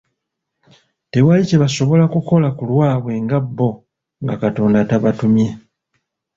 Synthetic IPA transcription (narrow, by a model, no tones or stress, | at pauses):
te̞walice̞βaso̞βo̞lakuko̞lakulwaːβwe̞ŋɡabːo̞ | ŋɡakato̞ndataβatumje̞